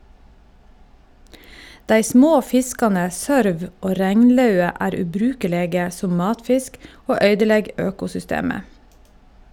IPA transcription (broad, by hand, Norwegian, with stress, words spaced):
ˈdæɪ ˈsmoː ˈfɪskɑnə ˈsœɾʋ ˈoː ˈɾɛŋnˌlɑʉə ˈæːɾ ʉːˈbɾʉːkəˌleːɡə ˈsʊm ˈmɑːtˌfɪsk ˈoː ˈœʏdəˌlɛɡ ˈøːkʊsʏˌsteːmə